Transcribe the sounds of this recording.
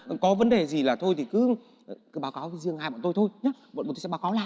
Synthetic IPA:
kɔ˨˦və˨˦nɗe˨˩zi˨˩laː˨˩t̪ʰo˧jt̪ʰi˨˩kɨ˨˦˨ | kɨ˨˦ɓaː˨˦wkaː˨˦wzɨ˧˩əŋhaː˧˩ɓɔ̰ː˧˨t̪o˧jt̪ʰo˧jɲa˨˦ɓɔ̰˨˧˨o˧˩sɛ̰˧˥ɓːwkaː˨˦wla̰ː˨

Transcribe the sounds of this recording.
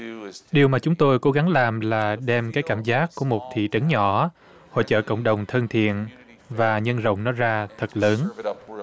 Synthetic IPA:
ɗi˨˩əwmaː˨˩t͡ɕʊ˨˦ŋ͡mt̪o˧jko˨˦ɣa˨˦ŋlaː˨˩mlaː˨˩ɗɛ˧mkaː˨˦jkaː˧˩mzaː˦˥k̚kːu˧˩əmo˨˩t̚t̪ʰḭ˧˨t͡ɕə˨˦nɲɔ˧˩ | ho̰˧˨jt͡ɕə̰ː˧˨kə̰˧˨wŋ͡mɗə˨˩wŋ͡mt̪ʰə˧nt̪ʰḭ˧˨ən | vaː˨˩ɲə˧nzə̰˧˨wŋ͡mnɔ˨˦zaː˧t̪ʰə˨˩t̚ləː˨˦n

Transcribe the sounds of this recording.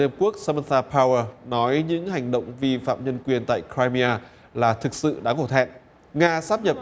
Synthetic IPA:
i˧ə˧mku˦˥ək̚sa˧mə˧t̪aː˧pʰaː˧wə˧nɔ˨˦jɲɨ̰˧˥ŋha˨˩jŋ̟ɗə̰˧˨wŋ͡mvi˧fa̰ː˧˨mɲə˧nkwi˨˩ənt̪a̰ː˧˨jkɾaː˧jmi˧aː˧ | laː˨˩t̪ʰɨ˨˩k̚sɨ̰˧˨ɗa̰ː˧˥ŋo˧˩t̪ʰɛ̰˧˨n | ŋaː˧saː˦˥p̚ɲə˨˩p̚

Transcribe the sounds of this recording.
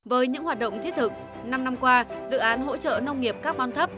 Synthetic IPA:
vəː˨˦jɲɨ̰˧˥ŋɦwaː˨˩t̚ɗə̰˧˨ŋ͡mt̪i˦˥ət̚t̪ʰɨ˨˩k̚ | na˧mna˧mkwaː˧zɨ̰˧˨ʔaː˨˦nɦo̰˧˥t͡ɕə̰ː˧˨nə˧wŋ͡mŋi˨˩əp̚kaː˦˥k̚ɓaː˧nt̪ʰə˦˥p̚

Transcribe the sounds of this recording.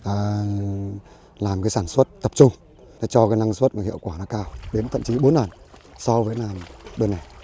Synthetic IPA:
ʔəː˨˩ | laː˨˩mkaː˨˦jsaː˧˩nswə˦˥t̚t̪ə˨˩p̚t͡ɕʊ˧ŋ͡m | nɔ˨˦t͡ɕɔ˧kaː˨˦jna˧ŋswə˦˥t̚maː˨˩hḭ˧˨ə˨wkwaː˧˩nɔ˨˦kaː˧wɗe˨˦nt̪ʰə̰˧˨mt͡ɕi˨˦ɓo˨˦nləː˨˩nsɔ˧vəː˨˦jnaː˨˩mɓəː˧nːa˨˩

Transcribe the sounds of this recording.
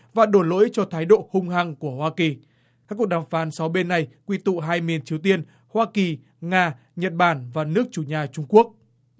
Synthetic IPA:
vaː˨˩ɗo˧˩jlo̰˧˥jt͡ɕɔ˧t̪ʰaː˨˦jɗo̰˧˨hʊ˧ŋ͡mha˧˩ŋku˧˩əhwaː˧ki˨˩ | kaː˦˥kːu˨˩ək̚ɗaː˨˩mfaː˨˦nsa˨˦wɓe˧nːa˨˩jkwi˧t̪ṵ˧˨ɦaː˧jmi˨˩ənt͡ɕi˨˦əwt̪i˧ən | hwaː˧ki˨˩ | ŋaː˧ | ɲə˨˩t̚ɓaː˧˩nvaː˨˩nɨ˦˥ək̚t͡ɕu˧˩ɲaː˨˩t͡ɕʊ˧ŋ͡mku˦˥ək̚

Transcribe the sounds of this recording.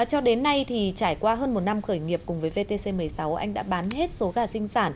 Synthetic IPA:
t͡ɕɔ˧ɗe˨˦nːa˧jt̪ʰi˨˩t͡ɕaː˧˩jkwaː˧ɦəː˧nmo˨˩t̚na˧mxəː˧˩jŋi˨˩əp̚kʊ˨˩ŋ͡mvəː˨˦jve˧t̪e˧se˧mɨ˨˩əjsa˨˦wʔa̰˧jŋ̟ɗa̰ː˧˥ɓaː˨˦nɦe˦˥t̚so˨˦ɣaː˧˩sï˧ŋ̟saː˧˩n

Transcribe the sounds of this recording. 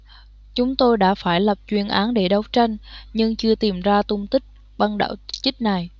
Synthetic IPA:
t͡ɕʊ˨˦ŋ͡mt̪o˧jɗa̰ː˧˥faː˧˩jlə˨˩p̚t͡ɕwi˧ənʔaː˨˦nɗe˧˩ɗə˨˦wt͡ɕa˧jŋ̟ɲɨ˧ŋt͡ɕɨ˧ət̪i˨˩mzaː˧t̪ʊ˧ŋ͡mt̪ï˦˥k̚ | ɓa˧nɗa̰ː˧˥˩wt͡ɕi˦˥k̚na˨˩j

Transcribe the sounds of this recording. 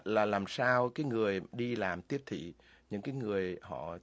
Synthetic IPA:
laː˨˩laː˨˩msaː˧wkaː˨˦jŋɨ˨˩əjɗi˧laː˨˩mt̪i˦˥əp̚t̪ʰḭ˧˨ | ɲɨ̰˧˥ŋkaː˨˦jŋɨ˨˩əjhɔ̰˧˨

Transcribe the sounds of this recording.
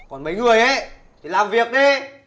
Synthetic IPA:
kɔ˨˩nmə˨˦jŋɨ˨˩əjʔe˨˦ | t͡ɕi˧˦laː˨˩mvi˨˩ək̚ɗe˧˦

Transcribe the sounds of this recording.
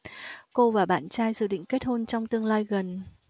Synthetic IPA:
ko˧vaː˨˩ɓa̰ː˧˨nt͡ɕaː˧jzɨ˨˩ɗḭ̈˧˨ŋ̟ke˦˥t̚ho˧nt͡ɕɔ˧wŋ͡mt̪ɨ˧əŋlaː˧jɣə˨˩n

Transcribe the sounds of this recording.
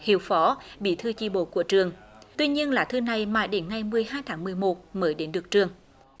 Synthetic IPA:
hḭ˧˩əwfɔ˨˦ɓḭ˧˨t̪ʰɨ˧t͡ɕḭ˧˩ɓo̰˧˨ku˧˩ət͡ɕɨ˨˩əŋt̪wi˧ɲi˧ənlaː˨˩t̪ʰɨ˧na˨˩jmaː˨˩jɗe˨˦nŋa˨˩jmɨ˨˩əjɦaː˧jt̪ʰaː˨˦ŋmɨ˨˩əjmo˨˩t̚məː˨˦jɗe˨˦nɗɨ˨˩ək̚t͡ɕɨ˨˩əŋ

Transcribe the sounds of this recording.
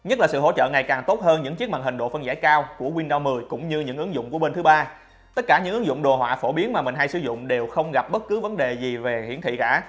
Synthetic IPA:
ɲə˦˥laː˨˩sɨ̰˧˨ɦo̰˧˥t͡ɕə̰ː˧˨ŋa˨˩jkaː˨˩ŋt̪o˦˥t̚həː˧nɲɨ̰˧˥ŋt͡ɕi˦˥ək̚ma̰ː˨ŋɦï˨˩ŋ̟ɗo̰˧˨fə˧nza̰ː˧˩jkaː˧wku˧˩əkwi˧nɗa˧wmɨ˨˩əjkʊ̰˧˥ŋ͡mɲɨ˧ɲɨ̰˧˥ŋʔɨ˨˦ŋzʊ̰˧˨ŋ͡mku˧˩əɓe˧nt̪ɨ˨˦ɓaː˧ | t̪ə˦˥t̚kaː˧˩ɲɨ̰˧˥ŋɨ˨˦ŋzʊ̰˧˨ŋ͡mɗo˨˩ɦwa̰ː˧˨fo˧˩ɓi˨˦ənmaː˨˩mï˨˩ŋ̟ɦa˧jsɨ˧˩zʊ̰˧˨ŋ͡mɗe˨˩wxə˧wŋ͡mɣa˨˩p̚ɓə˦˥t̚kɨ˨˦və˨˦nɗe˨˩zi˨˩ve˨˩hḭ˧˥ənt̪ʰḭ˧˨kaː˧˩

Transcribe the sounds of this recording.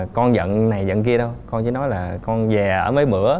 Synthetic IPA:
kɔ˧nzə̰˧˨nna˨˩jzə̰˧˨nki˧əɗə˧wkɔ˧nt͡ɕḭ˧˩˦nɔ˨˦jlaː˨˩kɔ˧nzɛ˨˩ʔəː˧˩məː˨˦jɓɨ̰˧˩ə

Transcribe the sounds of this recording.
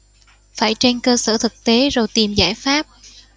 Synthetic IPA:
faː˧˩jt͡ɕe˧nkəː˧səː˧˩t̪ʰɨ˨˩k̚t̪e˨˦zo˨˩jt̪i˨˩mza̰ː˧˩jfaː˦˥p̚

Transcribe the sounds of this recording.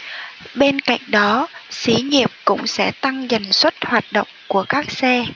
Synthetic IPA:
ɓe˧nka̰˧˨jŋ̟ɗɔ˨˦si˨˦ɲḭ˨əp̚kʊ̰˧˥ŋ͡msɛ̰˧˥t̪a˧ŋza˨˩jŋ̟swə˦˥t̚hwaː˨˩t̚ɗə̰˧˨wŋ͡mku˧˩əkaː˦˥k̚sɛ˧

